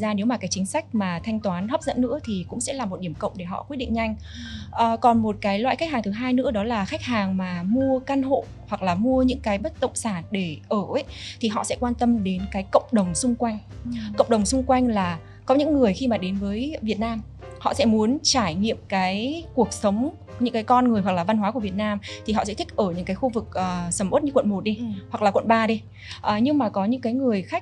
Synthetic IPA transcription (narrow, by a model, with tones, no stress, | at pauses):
zaː˧ne˨˦wmaː˨˩kaː˨˦jt͡ɕï˨˦ŋ̟sa˦˥jk̟̚maː˨˩t̪ʰa˧jŋ̟t̪waː˨˦nhə˦˥p̚z̥ə̰˧˥nːɨ̰˧˥ət̪ʰi˨˩kʊ̰˧˥ŋ͡msɛ̰˧˥laː˨˩mo˨˩t̚ɗi˧˩əmkə̰˧˨wŋ͡mɗe˧˩ɦɔ̰˧˨kwi˦˥t̚ɗḭ˧˨ŋ̟ɲa˧jŋ̟ | ʔəː˨˩kɔ˨˩nmo˨˩t̚kaː˨˦jlwa̰˧˨jxa˦˥k̚haː˨˩ŋt̪ʰɦaː˧jnɨ̰˧˥əɗɔ˨˦laː˨˩xa˦˥k̚haː˨˩ŋmaː˨˩mu˧əka˧nɦo̰˧˨ | hwa˨˩k̚laː˨˩mu˧əɲɨ̰˧˥ŋkaː˨˦jɓə˦˥t̚t̪ə̰˧˨ŋ͡msaː˧˩nɗe˧˩ʔəː˧˩ʔjt̪ʰi˨˩ɦɔ̰˧˨sɛ̰˧˥kwaː˧nt̪ə˧mɗe˨˦nkaː˨˦jkə̰˧˨wŋ͡mɗə˨˩wŋ͡msʊ˧ŋ͡mkwa˧jŋ̟kə̰˧˨wŋ͡mɗə˨˩wŋ͡msʊ˧ŋ͡mkwa˧jŋ̟laː˨˩ | kɔ˨˦ɲɨ̰˧˥ŋːɨ˨˩əjxi˧maː˨˩ɗe˨˦nvəː˨˦jvi˨˩ət̚naː˧m | hɔ̰˧˨sɛ̰˧˥mu˨˦ənt͡ɕaː˧˩jŋḭ˧˨əmkaː˨˦jku˨˩ək̚sə˨˦wŋ͡m | ɲɨ̰˧˥ŋkaː˨˦jkɔ˧nŋɨ˨˩əjwklaː˨˩va˧nhɦwaː˨˦ku˧˩vi˨˩ət̚naː˧mt̪ʰi˨˩ɦɔ̰˧˨sɛ̰˧˥t̪ʰï˥k̚ʔəː˧˩ɲɨ̰˧˥ŋkaː˨˦jxu˧vɨ˨˩k̚ʔəː˨˩sə˨˦mʔo˦˥t̚ɲɨ˧kwə̰˧˨nmo˨˩t̚ɗi˧hwa˨˩klaː˨˩kwə̰˧˨nɓaː˧ɗi˧ | ʔəː˨˩ɲɨ˧ŋmaː˨˩kɔ˨˦ɲɨ̰˧˥ŋkaː˨˦jŋɨ˨˩əjxa˦˥k̚